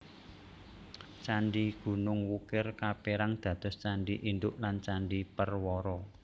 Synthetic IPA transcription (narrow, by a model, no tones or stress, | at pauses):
t͡ʃaɳɖiɡ̥ṳnʊŋwukɪrkapeɾaŋd̪̥ä̤d̪̥ɔ̤st͡ʃaɳɖiʔind̪ʊʔlant͡ʃaɳɖipərwɔɾɔ